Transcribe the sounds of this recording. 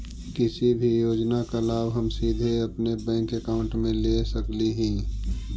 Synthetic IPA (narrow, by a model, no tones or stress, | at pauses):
kɪsibʱijoːd͡ʒnakalaːbɦɐmsiːd̪ʱeɐpnebɛ̃ːŋkekaːʊ̃ɳʈmẽleːsɐkliɦiː